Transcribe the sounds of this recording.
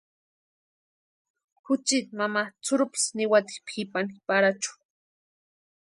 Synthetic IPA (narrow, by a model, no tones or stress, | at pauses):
kʊt͡ʃit̪mamat͡sʊɾʊpɪ̥snɪwat̪i̥pxipanipaɾat͡ʃʊ̥